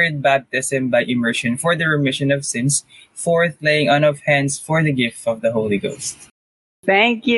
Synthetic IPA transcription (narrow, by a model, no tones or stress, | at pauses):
ɹd̪̚bæb̚t̪ɪsɨ̃mbajʔɪmɜɹʃɔ̃nfɔɹðəɹɛmɪʃɔ̃nɔv̥sɪ̃ns | fɔɹθlejɪ̃ŋʌ̃nɔv̥hæ̃ndsfɔɹðɐɡɪft̪ʌvðɐɦoʊliɡo̰ʊst̪̚ | t̪æ̃ŋkj